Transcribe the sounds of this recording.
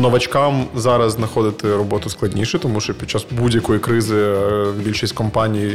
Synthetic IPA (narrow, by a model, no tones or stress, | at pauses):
nɐʋɐt͡ʃkɑmzɑɾɐzznɐxɔd̪ɪt̪ɛɾɔbɔt̪ʊsklˠɐdʲnʲiʃɛt̪ɔmuʃt͡ʃɔpʲit̚t͡ʃːɑsbudʲjɐkɔjikɾɪzɪbʲilʲʃisʲtʲkɔmpɑnʲiji